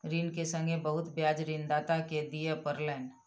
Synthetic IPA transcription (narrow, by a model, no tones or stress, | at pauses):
ɾiːnkesə̃ŋɡebɐɦʊt̪bjaːd͡ʒɾind̪aːt̪aked̪ijepəɾlɛːn